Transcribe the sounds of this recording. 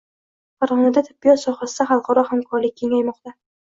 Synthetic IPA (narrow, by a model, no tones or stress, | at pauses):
faɾʁɒnad̪at̪ʰɪ̥b̚ːijɒt̪sɒχasɪd̪aχɑlˠqʰɑɾɒhamkʰɒɾlɪk̚ʲʰːe̞ŋajmɒqt̪a